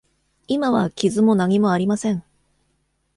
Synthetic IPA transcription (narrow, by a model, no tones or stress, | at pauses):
imaβakʲizɨmo̞naɲ̟imo̞aɾʲimasẽ̞ɴ